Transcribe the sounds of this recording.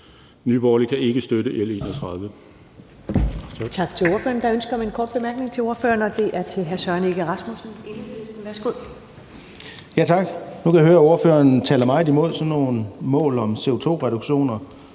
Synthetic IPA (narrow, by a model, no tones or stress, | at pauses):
nyb̥ɒːlikʰæʔe̝ɡ̥əsd̥øɾəʔele̝̰ːnɒt͡sʰʁäðˠʋə | t͡sʰɑ̈ɡ̥̚t͡sʰe̝loɐføːɐnd̥ɑ̈ønsɡ̥ɐmienkʰɒːd̥̚b̥e̝mæɐɡ̥ne̝ŋt͡sʰe̝o̝ɐfø̰ːɐnɒd̥e̝ʔæɐt͡sʰe̝lɦæɐsɶɐne̝ɡ̥əʁɑ̈smusn̩ensesn̩ʋæɐsɡ̥o̝ð̰ˠ | jæt͡sʰɑ̈ɡ̥nukʰæjɦøːɐo̝ɐfø̰ːɐnt͡sʰɛːlɐmɑ̈ɪdimo̝ð̰ˠsɒ̽nːo̝ːnmɔ̰̽ːlɒ̽mse̝o̝t͡sʰo̝̰ːʁɛɾ̥uɡ̥ɕo̝̰ːnɐ